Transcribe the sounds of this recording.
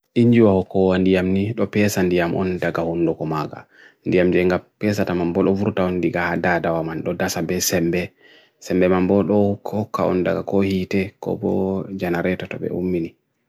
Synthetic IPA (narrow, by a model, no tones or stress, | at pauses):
ʔiɲd͡ʒiwahɔkɔwandijamniɗɔpɛsandijamʔɔ̰ndaɡahundɔkɔmaɡa̰ | ndijamd͡ʒɛŋɡapɛsatamambɔɗɔvuɾtaɔndiɡahadadawamanɗɔdasabɛsɛmbɛ | sɛmbɛmambɔɗɔhkːhɔkːaɔ̰nda̰ɡakɔhitɛkɔ̰bɔ̰d͡ʒanaɾɛtɔtɔ̰ɓɛ̰ṵmːini